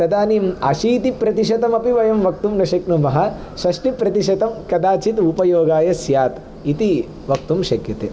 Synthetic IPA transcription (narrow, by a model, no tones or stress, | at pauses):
ɾɐd̪aːnimɐʃiːt̪ipɾɐt̪iʃɐt̪ɐmɐpiʋɐjɐmʋɐk̚t̪umnɐʃɐknumɐɦɐ | ʃɐʂʈipɾɐt̪iʃɐt̪ɐmkɐd̪aːt͡ʃit̪upɐjoːɡaːjɐsjaːt̪ | it̪i | ʋɐk̚t̪umʃɐkjɐt̪ḛː